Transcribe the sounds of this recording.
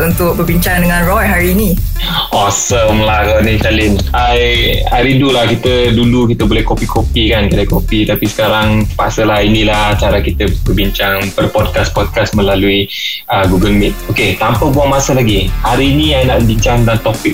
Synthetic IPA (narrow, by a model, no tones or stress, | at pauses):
unt̪ʊk̚bərbiɲt͡ʃaŋdəŋãnrɔjɦaɾiːni | ɔsəmlahɡɔnikalɪn | ajaɾindulahkit̪ədulukit̪əbolɛhkopikʰopikankaləkopit̪apisə̥kaɾaŋpasəlahinilaht͡ʃaɾakit̪əbərbiɲt͡ʃaŋpərpɔd̚kaspɔd̚kasmə̃laluiəɡuɡəlmit̪̚oket̪ampəbuaŋmasəlaɡihaɾiːnĩajnaʔbiɲt͡ʃaŋdant̪ɔpɪk̚